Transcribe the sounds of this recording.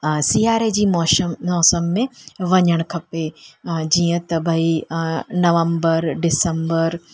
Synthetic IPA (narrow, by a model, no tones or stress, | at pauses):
siːaːɾed͡ʑiːmɔːmːɔːsəmːẽʋɐɲəɽ̃kʰɐped͡ʑiːə̃t̪ɐbʱəinɐʋə̃mbəɾɖɪsəmbəɾ